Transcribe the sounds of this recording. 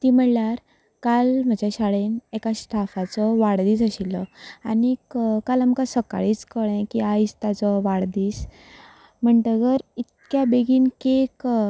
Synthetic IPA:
t̪im̤əɽlaɾ | kalm̤əd͡ʑaɕaɭenekaɕʈʰafat͡sɔʋaɽd̪iːt͡səɕilɔanikkalamkasəka̰ɭiːt͡skəɭẽkiaist̪jat͡sɔʋaɽd̪iːs | m̤əɳʈəɡəɾit̪̚kjabeɡiːnkek

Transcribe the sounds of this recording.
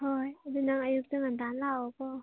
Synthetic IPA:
hojad̪unaŋajuk̚tɯŋand̪anlawkɔ

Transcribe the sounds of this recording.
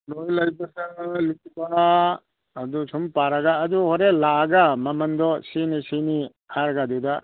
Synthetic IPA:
lojlɐjbɐsɐlukba | ɐdusʰumpaɾɐɡaːd̪uhoɾelaːɡamɐmɐnd̪ɔsinisini | haɾɡad̪ud̪a

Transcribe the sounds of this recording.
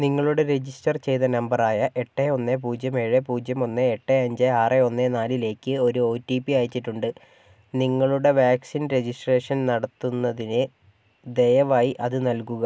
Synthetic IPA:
niŋːɐɭuɽe̞ɾe̞d͡ʑisʈɐrt͡ɕe̞jt̪ɐnɐmbɐraːjɐʔeʈːeo̞nːep̬uːd͡ʑjɐmeɻepuːd͡ʑɐmo̞nːeːʈːeɐɲd͡ʑeaːreo̞nːenaːlile̞ːkːɨo̞ɾuo̞ːtːiːpːiaːjit͡ɕːiʈːuɳɖɨ | niŋːɐɭuɽe̞ʋaːksinɾe̞d͡ʑisʈre̞ːʂɐnnɐɽɐt̪ːunːɐðinɨ | d̪ejɐʋaːjiʔɐðɨnɐlkuɣɐ

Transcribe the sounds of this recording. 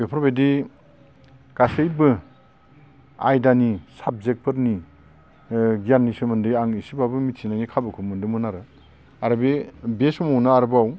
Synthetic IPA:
bepʰɾbedi | kasɯjbɯ | a̰jdanisab̚zek̚pʰɯɾni | ɡijanːisɯmɯndɯjaŋisibabɯmitsʰinanikʰabɯkʰɯmɯndɯmɯnaɾɯ | aɾɯbebesɔmɔwnaaɾbaw

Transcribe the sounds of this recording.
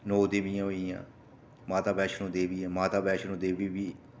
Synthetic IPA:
noːd̪eːʋɪjãːɦoijã̰ː | maːt̪aːbɛːʃnõːd̪eːʋiːãːmaːt̪aːbɛːʃnõːd̪eːʋiːʋiː

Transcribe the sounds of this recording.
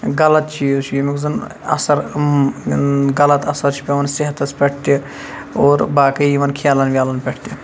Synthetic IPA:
ɡɐlɐt̪t͡ʃʰit͡ʃʰijimikzɐnɐ̰sɐɾ | ɡɐlɐt̪ɐsɐɾt͡ʃʰi̥pʲeʋɐnsiɦɐt̪ɐspʲeʈʰt̪i | oːɾbaːkɐiʋɐnkʰjaːlɐnʋʲjaːlɐnpɛʈʰt̪i

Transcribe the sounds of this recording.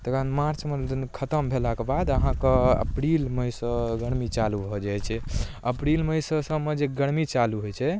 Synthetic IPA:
t̪əkʰənmaɾt͡ʃmed̪nkʰət̪əmbʱelakebad̪əɦãkeə̰pɾilməjsəɡəɽmit͡ʃalubʱɔd͡ʒajt͡ʃʰɛ | əpɾilməjsə̃səmed͡ʒeɡəɽmit͡ʃaluɦojt͡ʃʰɛ

